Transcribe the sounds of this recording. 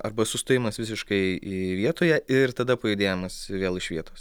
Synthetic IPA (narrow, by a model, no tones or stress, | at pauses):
ɐ̰rbɐsʊst̪oːjɪmɐsʋʲɪs̬ʲɪʃkɐɪiʋʲiɛt̪oːjɛɪrt̪ɐd̪ɐpɐɪd̪ʲeːjɛmɐsʋʲeːlˠɪʃʋʲiɛt̪oːs